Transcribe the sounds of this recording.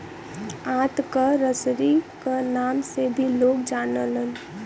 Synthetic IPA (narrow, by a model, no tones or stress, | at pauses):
ãːt̪kaɾəsɾikanaːmsebʱiloːkd͡ʒaːnələn